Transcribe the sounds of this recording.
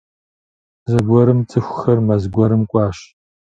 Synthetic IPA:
zɐɡʷɔɾɨmt͡sʼɨxʷxɐrmɐzɡʷɔɾɨmkʷʼɑːɕ

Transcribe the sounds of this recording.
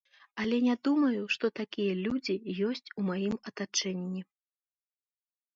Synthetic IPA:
ɐlʲɛnʲad̪umɐjuʂt̪ɔt̪akʲijɐlʲud͡zʲijɔsʲt͡sʲumajimɐt̪at͡ʂɛnʲːi

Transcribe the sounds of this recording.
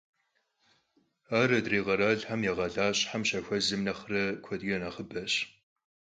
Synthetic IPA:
aːɾɐdreːʁɐɾaɮħamjɛʁɐɮaːɕʼħamɕɐxʷɐzɨmnɐχrɐkʷʰɔdɡɐnɐχəbɐɕ

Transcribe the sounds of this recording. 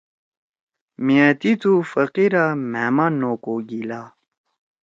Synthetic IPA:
miat̪it̪ufəqiɾamemaːnːokoɡila

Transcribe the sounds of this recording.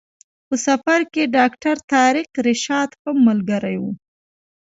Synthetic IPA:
pəsafaɾkeɖɑkʈaɾt̪ɑɾɪqɾɪʃɑd̪xəmːalɡaɾajwu

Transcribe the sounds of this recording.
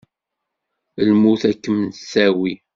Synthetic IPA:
lmuθækːəmnsæwi

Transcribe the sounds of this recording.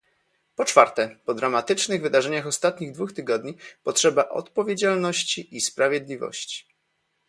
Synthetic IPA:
pɔt͡ʂfaɾt̪ɛpɔd̪ɾamat̪ɘt͡ʂnɘɣvɘd̪aʐɛɲaxɔst̪at̪ɲiɣd̪vuxt̪ɘɡɔd̪ɲipɔtʂɛbaʔɔ̰t̪pɔvʲjed͡ʑalnɔɕt͡ɕiʔispɾavʲjed̪lʲivɔ̰ɕt͡ɕi̥

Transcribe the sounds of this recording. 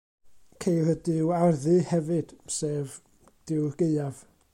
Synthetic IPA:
kʰejlədɪwarðɨhɛvɨd̥seːv | d̥ɪwɡ̥eɨav̥

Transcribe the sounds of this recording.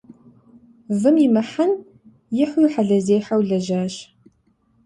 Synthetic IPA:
vɨmɪmɐħan | jɪħʷʊjwħaɮɐzeːħawɮɐʒaːɕ

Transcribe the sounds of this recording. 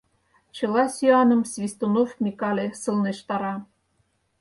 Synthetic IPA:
t͡ɕɤ̆lˠɑsʲyɑnɤ̆msvʲist̪onofmʲikɑlʲesɤlˠneʃt̪ɑɾɑ

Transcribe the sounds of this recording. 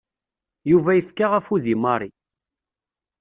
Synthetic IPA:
juvæjəfkaʁæfuðimɑɾˤi

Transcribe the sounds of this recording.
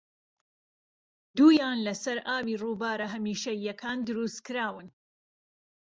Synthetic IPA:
d̪uːjaːnlɐsɐɾaːbiːruːbaːɾɐɦɐmiːʃɐjɐkʰaːnd̪ɨɾust̪kɨɾaːwɨn

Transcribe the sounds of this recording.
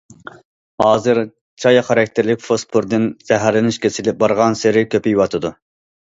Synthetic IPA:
hɑːzɨɾ | t͡ʃʰɑjɑχɑɾɑk̚ʲt̪ʰɪɾlɪkʲfospʰuɾd̪ɨnz̥ɛɦæɾlɪnɪʃkʲesɪlɪp̚bɑɾʁɑnsɪɾɪkʲʰøpɪjwɑt̪ʰɨd̪u

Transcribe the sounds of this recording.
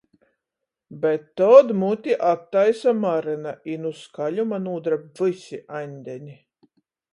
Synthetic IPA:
bɛt̪ːɔːd̪mut̪ʲiʔat̪ːajsamaɾɨnaʔinuskalʲumanuːd̪ɾavɨsʲiʔanʲd̪ʲɛnʲi

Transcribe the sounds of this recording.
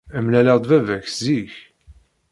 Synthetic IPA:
əmlælæʁd̪ˤvævæçziç

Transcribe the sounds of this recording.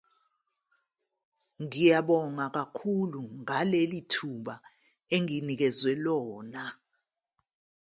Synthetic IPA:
ŋijaɓɔŋak̬akʰuluŋalelitʰuɓa | eŋinik̬ɛzwɛlɔːna

